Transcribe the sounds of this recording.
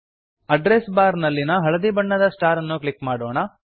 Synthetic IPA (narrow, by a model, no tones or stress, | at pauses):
ɐɖɾesbaːɾnɐlːinɐɦɐɭɐd̪ibɐɳːɐd̪ɐsʈaːɾɐnːukɭikːmaːɽoːɳɐ